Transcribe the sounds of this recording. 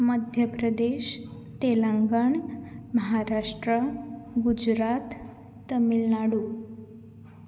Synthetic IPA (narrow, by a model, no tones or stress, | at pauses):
məd̪ʱjəpɾəd̪eɕ | t̪elaŋɡəɳməɦaɾaʂʈɾəɡud͡ʑɾat̪ː | əmilnaɽu